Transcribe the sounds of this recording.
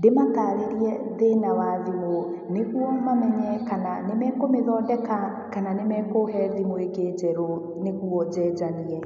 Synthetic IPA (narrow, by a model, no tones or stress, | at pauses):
demataːɾeɾiɛðenawaðimo | neɣuɔmamɛɲɛkananemɛkomeðɔːndɛka | kananemɛkoɦɛðimoekeːd͡ʑɛɾo | neɣuɔd͡ʑɛd͡ʑaniɛ